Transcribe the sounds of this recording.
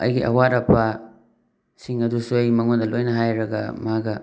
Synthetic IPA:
ɐ̰jɡiʔɐ̰waɾɐpʰɐ | siŋɐdusuɐjmɐŋondɐlojnɐɦajɾɐɡɐ̰maɡɐ

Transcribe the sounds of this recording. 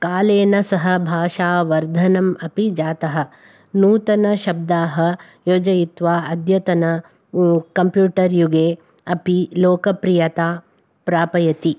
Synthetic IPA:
kaːleːnɐsɐɦɐbʱaːʃaːʋɐɾd̪ʱɐnɐmɐpid͡ʒaːt̪ɐɦɐ̆ | nuːt̪ɐnɐʃɐb̚d̪aːɦɐ | joːd͡ʒɐjit̪ʋaːɐd̪jɐt̪ɐnɐ | kɐmpjuːʈɐɾjuɡeː | ɐpiloːkɐpɾijɐt̪aː | pɾaːpɐjɐt̪i

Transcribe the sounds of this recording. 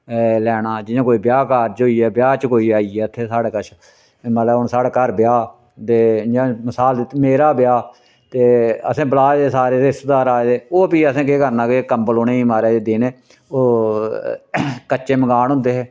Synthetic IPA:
lɛːnaːd͡ʒɪjãːkoːiːbjaːkaːɾd͡ʒɦoːiːɛːbjaːt͡ʃkoːiːaːiɛːət̪ʰːeːsaːɽeːkət͡ʃʰ | məlaʊnsaːɽaːkəɾbɪjaː | t̪eːd͡ʒãːməsaːld̪ɪt̪ːmeːɾaːbɪjaː | t̪eːəsẽːbəlaːd̪eːsaːɾeːt̪eɪst̪d̪aːɾaːed̪eːoːpiːəsẽːkeːkəɾnãːkekəmbəloːneːiːmaːɾeːd̪eːd̪eːnː | oː | kət͡ʃːʃeːməɡaːnɦʊ̃nd̪eːɦɛː

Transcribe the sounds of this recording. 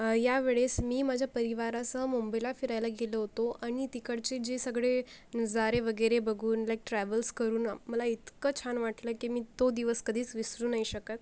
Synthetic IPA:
jaʋeɭesmiːmad͡ʑʱjapəɾiʋaɾasəɦəmumbəjlafiɾajlaɡeləɦot̪oʔaɽ̃it̪ikəɽt͡sed͡ʑesəɡɭed͡zaɾeʋəɡəjɾebəɡʱuːnlajk̚ʈɾæʋəlskəɾuːnaməlait̪kət͡ɕʰanʋaʈləːkimiːt̪od̪iʋəskəd̪ʱiːt͡sʋisɾuːnaiɕəkət̪̚

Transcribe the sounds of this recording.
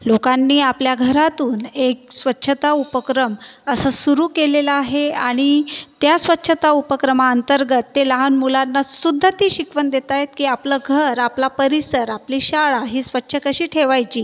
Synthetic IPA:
lokanːiːapljaɡʱəɾat̪uːnek̚sʋətːɕʰət̪aupəkɾəməsəsuɾuːkeleləaɦeaɽ̃it̪jasʋətːɕʰət̪aupəkɾəmaənt̪əɾɡət̪ːeləɦanmulanːasud̪ʱːət̪iːɕikʋənd̪et̪ajet̪̚kiːapləɡʱəɾaplapəɾisəɾapliːɕaɭaɦiːsʋətːɕʰəkəɕiːʈʰeʋajt͡ɕiː

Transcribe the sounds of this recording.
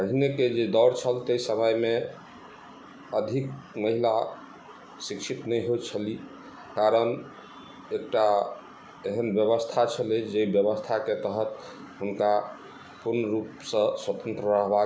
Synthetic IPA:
əɦneked͡ʒed̪ɔɾt͡ʃʰəlt̪əjsəməjme | əd̪ʱikməɦila | sikt͡ʃʰit̪nəjɦot͡ʃʰəli | kaɾən | ek̚ʈa | eɦənbjəβəst̪ʰat͡ʃʰəled͡ʒebjəβəst̪ʰaket̪əɦət̪ | ɦunka | puɾnəɾupsə̃swət̪ə̃nt̪ɾəɾəɦba

